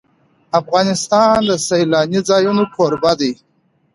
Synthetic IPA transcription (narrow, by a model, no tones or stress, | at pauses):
afɣɑnɪst̪ɑnd̪əsajlɑnizɑjunokʰoɾbad̪ij